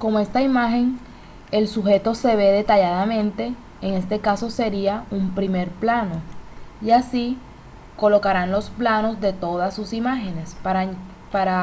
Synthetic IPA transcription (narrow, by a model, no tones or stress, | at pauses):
ko̞moe̞st̪aimaxe̞ŋ | e̞lsuxe̞t̪o̞se̞βe̞ðe̞t̪aʝaðamẽ̞nt̪e̞ː | ŋe̞st̪e̞kaso̞se̞ɾiaumpɾime̞ɾplano̞iasi | ko̞lo̞kaɾanlo̞splano̞sðe̞t̪o̞ðasːusimaxe̞ne̞spa | paɾa